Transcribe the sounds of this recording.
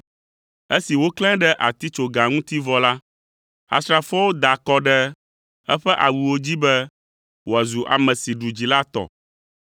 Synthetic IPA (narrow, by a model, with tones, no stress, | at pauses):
e˦si˨wo˦klɛ̃˦ɖɛ˦ʔa˨t̪i˦t͡ʃo˨ɡa˨ŋũ˦t̪i˦vɔ˦la˦ | a̰˨stɾa˨fɔ˦wo˦d̪a˨kɔ˦ɖɛ˦ | ɛ˦ɸɛ˦ʔa˨wu˨wo˦d͡ʑi˦bɛ˦ | wo˨a˨zu˨ʔa̰˨mɛ̃˨si˨ɖu˨d͡ʑi˨la˦t̪ɔ̰˨